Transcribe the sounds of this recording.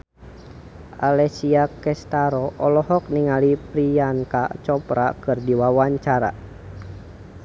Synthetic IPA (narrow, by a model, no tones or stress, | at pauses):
alɛsiakɛst̪aɾɔʔɔlɔhɔk̚niŋalipɾianka̰t͡ʃɔpɾa̰kɨrdiwawaɲt͡ʃaɾa̰